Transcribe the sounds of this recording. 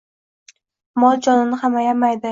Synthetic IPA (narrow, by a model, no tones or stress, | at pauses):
mɒd͡ʒɒnɪnɪhamajamajd̪ɪ